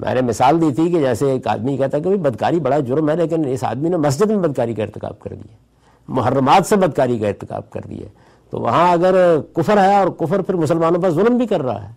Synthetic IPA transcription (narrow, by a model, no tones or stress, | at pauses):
mʔɛ̰̃ːnemɪsaːld̪iːt̪ʰiked͡ʒɛːseeːka̰ːd̪mikɛɦt̪aɛkeboibɐd̪kaːɾibɐɽad͡ʒʊɾmɦɛleːk̬ɪnɪsa̰ːd̪minemɐs̬d͡ʒəd̪mẽbɐd̪̚kaːɾikaɪɾt̪ɪka̰ːb̚kɐ̰ɾd̪ḭa | mʊɦərːəmaːt̪sebɐd̪̚kaːɾikaɪɾt̪ɪka̰ːb̚kɐ̰ɾd̪ḭɛ̰ː | t̪o̰ːʋɐ̰ɦãɐɡəɾkʊfəɾɦɛɔːɾkʊfəɾpʰɪɾmʊsəlmaːnõp̬aɾzʊlmbʱikɐɾːɐɦa̰ɦɛː